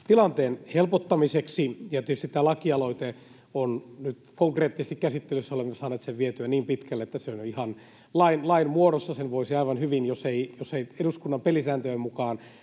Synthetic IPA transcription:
t̪ilɑnt̪eːnhelpot̪ːɑmiseksijɑt̪iet̪ystit̪æːlɑkiɑloit̪e | onnyt̪koŋkreːt̪ːisest̪ikæsit̪ːelysːæolemːesɑːneːt̪seʋʋiet̪yæniːmpit̪kælːet̪ːæseonjoihɑn | lɑinlɑinmuoɾosːɑsenʋoisiɑiʋɑnhyʋinjoseijoseieɾuskunːɑmpelisæːnt̪øemukɑːn

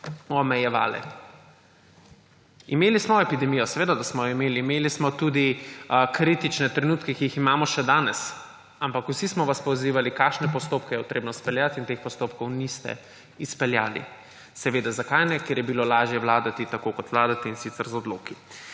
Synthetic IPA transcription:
ɔmɛjɛʋa̰ːlɛ̰ | imeːlismɔɛpid̪ɛmiːjɔsɛʋeːd̪ad̪asmɔjɔimeːliːmeːlismɔt̪ud̪ikɾiːt̪it͡ʃnɛt̪ɾɛnuːt̪kɛkijiximaːmɔʃɛd̪aːnɛs | ampakuwsismɔʋaspɔwziːʋalikakʃnɛpɔst̪oːpkɛjɛpot̪ɾeːbnɔspɛljat̪int̪expɔst̪oːp̚kɔwnist̪ɛ̰ | ispɛlja̰ːlḭ | sɛʋeːd̪azakajnɛkjeːɾjɛbilolaːʒjɛʋwlaːd̪at̪it̪akokɔt̪ʋlaːd̪at̪ɛinsit̪sɛɾzɔd̪loːki

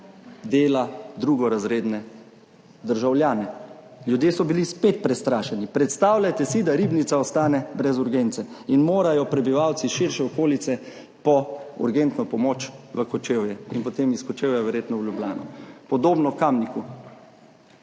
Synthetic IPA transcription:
d̪eːlad̪ɾuːɡɔɾazɾeːd̪nɛ | d̪əɾʒawljaːnɛ | ljud̪jeːsɔbilispet̪̚pɾɛst̪ɾaːʃɛnipɾɛt̪st̪aːwlʲjat̪ɛsid̪aɾiːbnit̪saɔst̪aːnɛbɾɛzuɾɡent̪sɛinmoːɾajɔpɾɛbiʋawt̪siʃiɾʃɛɔkoːlit̪sɛ | pɔṵɾɡent̪nɔpɔmot͡ʃʋəkɔt͡ʃeːwjɛinpɔt̪emiskɔt͡ʃeːwjaʋɛɾjeːt̪nɔwlʲjublʲa̰ːnɔpɔd̪oːbnɔkamniku

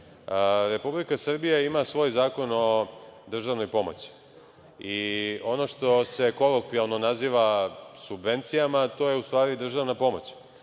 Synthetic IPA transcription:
ɾe̞publikasr̩bijaimasʋo̞ːjzaːko̞no̞d̪r̩ʒaʋno̞jpo̞mo̞̰t͡ɕi̥ | io̞no̞ʃt̪o̞se̞ko̞lˠokʋialnonaziːʋasubʋe̞nt̪sijamat̪o̞ːje̞ust̪ʋaːɾid̪r̩ʒaʋnapo̞mo̞t͡ɕ

